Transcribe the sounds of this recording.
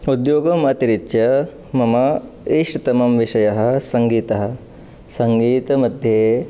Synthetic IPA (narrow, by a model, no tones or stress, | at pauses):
ud̪joːɡɐmɐːt̪iɾit̪jɐ | mɐmɐ | iːʂt̪ɐmɐmʋiʂɐjɐɦɐ̆sɐŋɡiːt̪ɐɦɐ̆ | sɐŋɡiːt̪ɐmɐd̪ʱjeː